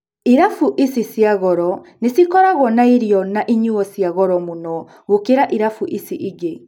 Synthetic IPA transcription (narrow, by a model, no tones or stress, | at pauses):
iɾafuʔisisjaɣɔɾɔnesikɔɾaɣwɔnaiɾiɔnaʔiɲuɔsjaɣɔɾɔmunɔ | ɣokeɾaʔiɾafuʔisiʔiɣe